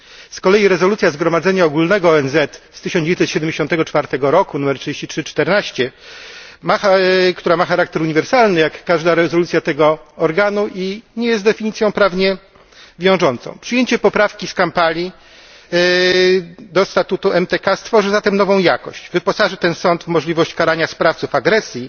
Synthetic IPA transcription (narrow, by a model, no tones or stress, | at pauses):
skɔlɛjiɾɛzɔlut̪sʲjazɡɾɔmad̪zɛɲaɔɡulnɛɡɔɔɛnzɛt̪st̪ɘɕɔnd͡ʑejnɛt̪ɕɛd̪ɛmd͡ʑeɕɔnt̪ɛɡɔt͡ʂfaɾt̪ɛɡɔɾɔkunumɛɾtʂɨd͡ʑeɕt͡ɕitʂɘt͡ʂt̪ɛɾnaɕt͡ɕɛ | maxkt̪uɾamaxaɾak̚t̪ɛɾuɲivɛɾsalnɘjakːaʐd̪aɾɛzɔlut̪sʲjat̪ɛɡɔɔɾɡanuʔiɲɛjɛst̪d̪ɛfʲiɲit̪sjɔ̃w̃pɾavɲɛ | vʲjɔ̃w̃ʐɔnt̪sɔ̰̃w̃pʂɘjeɲt͡ɕɛpɔpɾafkʲiskampalʲi | d̪ɔst̪at̪ut̪uɛmt̪ɛkast̪fɔʐɘzat̪ɛmnɔvɔ̃w̃jakɔɕt͡ɕvɘpɔsaʐɘt̪ɛnsɔnt̪vmɔʐlʲivɔɕt͡ɕkaɾaɲaspɾaft̪sufaɡɾɛsʲji